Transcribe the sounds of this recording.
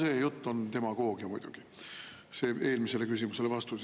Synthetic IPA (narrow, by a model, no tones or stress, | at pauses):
se̞ːjut̪ˑːo̞nt̪e̞mɑɡ̥o̞ːɡ̥iɑmujd̪̥ṵɡ̥i | se̞ːe̞ːlmise̞le̞kysimuse̞le̞vɑst̪us